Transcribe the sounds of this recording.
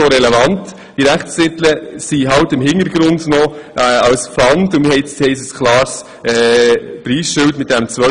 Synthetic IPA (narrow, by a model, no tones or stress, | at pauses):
oɾɛlɛvɑnt | d̥iɾæχtsɪt̪ləsiɦɑwtɪmɦɪntəɾɡɾʊndnɔʔɛɑlsflɑntʊnmɪhɛɪhɛɪsəskʰlɑːɾs | ɛpɾiːsʃʏltmɪt̚d̥ɛmt͡sʋœ